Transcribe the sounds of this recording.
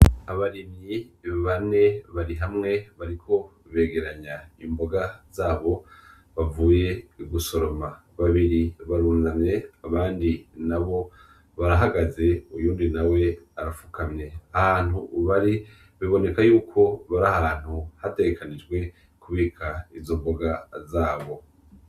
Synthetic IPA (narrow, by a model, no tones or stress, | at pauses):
aβaɾimiβane̞βaɾiɦamŋe̞βaɾikʰo̞ | βe̞ːɡe̞ɾaɲaimbo̞ɡaz̥aːβo̞ | βavuːje̞ɡuso̞ɾo̞ma | βaβiɾiβaɾuːnamɲe̞aβaːndinaβo̞ | βaɾaɦaɡaze̞ujuːndinawe̞aɾafu̥kʰamɲe̞ahaːn̥huβaɾi | βiβo̞ne̞kajuːkʰo̞βaɾahaːn̥huhate̞ɡekanid͡ʒɡwe̞ | kuβiːkʰaizo̞mbo̞ɡazaːβo̞